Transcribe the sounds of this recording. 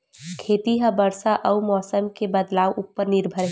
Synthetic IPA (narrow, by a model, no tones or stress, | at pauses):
kʰeːt̪iɦə̃bəɾsaʔəumɔːsəmkebəd̪laːwʔupːəɾnɪɾbʱəɾɦ